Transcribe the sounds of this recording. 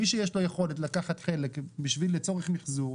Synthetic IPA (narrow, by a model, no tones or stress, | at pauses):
iʃ̬ejeʃlo̞jeχo̞letlakaχat̪χe̞lekbiʃvilːet͡so̞ʁeχmiχzuʁ